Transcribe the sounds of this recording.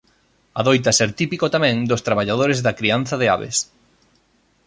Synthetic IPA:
aðojt̪ɐsɛɾt̪ipikot̪amɛ̃ŋd̪ʊst̪ɾaβaʎað̞oɾezðɐkɾian̟θɐðɪa̰βḛs

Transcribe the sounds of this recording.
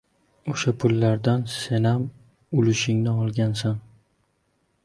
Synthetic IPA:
oʃapʰʊlːaɾd̪anse̞nam | ʊlɪʃɪŋnɪɒlˠɡʲansan

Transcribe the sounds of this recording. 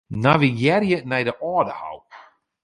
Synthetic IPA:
navijɛɾjənɛjdəʔɔːdəha̰wp

